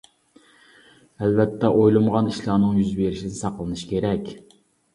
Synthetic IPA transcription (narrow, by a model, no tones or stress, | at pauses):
ælvɛt̪ʰːɛʔojlˠɨmʁɑniʃlˠɑːnɨŋjyzbeɾɪʃinɪsɑqlˠɨnɨʃkʲʰeɾɛkʲ